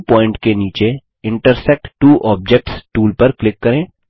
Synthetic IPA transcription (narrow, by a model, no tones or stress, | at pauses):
pɔːɪ̃ɳʈkeniːt͡ʃe | ɪ̃ɳʈəɾsɛk̚ʈʈuːʔɔːb̚d͡ʒɛk̚ʈsʈuːlpɐɾklɪkːɐɾẽː